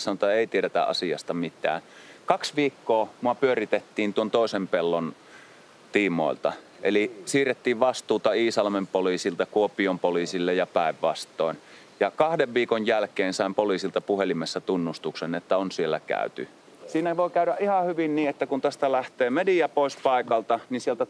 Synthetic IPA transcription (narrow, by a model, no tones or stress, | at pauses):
sɑnŏt̪ɑeˑit̪ieɾet̪æ̰ʔɑ̰siɑ̰st̪ɑmit̪ˑæ̰ː | kɑksʋiːkːoːmuɑpyørit̪et̪ːiːnt̪uont̪oˑesempelːon | t̪iːmo̰ˑḭlt̪ɑ | ʔelisiːret̪ːiːʋʋɑst̪uːt̪ɑiːsɑlmempoliːsilt̪ɑkuopiompoliːsilːejɑpæˑeʋːɑst̪ˑoˑein | jɑkɑhdeʋʋiːkojjælkeːnsɑˑimpoliːsilt̪ɑpuhelimesːæt̪unːust̪uksenet̪ːæonsielːæ̰kæ̰ˑyt̪y | siːnæʋoˑikæyɾæʔʔihɑhyʋinniːet̪ːækunt̪æst̪ælæht̪eːmedijæpoˑispɑikɑlt̪ɑninsielt̪æ